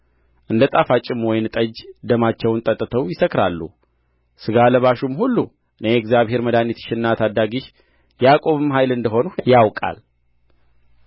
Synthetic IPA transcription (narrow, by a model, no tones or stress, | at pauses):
ʔɨnd̪ət̪ʼafat͡ʃʼɪmwɔjnt̪ʼəd͡ʒd̪əmat͡ʃːɛwnt̪ʼət̪ʼːɨt̪ʰəwjɪsəkɾalːṵ | sɨɡaləβaʃumhulːu | ʔɨnejɛɡzjaβhe̞ɾməd̪anit̪ʃɪnːat̪ʰad̪ːaɡiʃ | jakʼo̞βɨmɦajlɨnd̪əɦo̞nujawkʼa̰l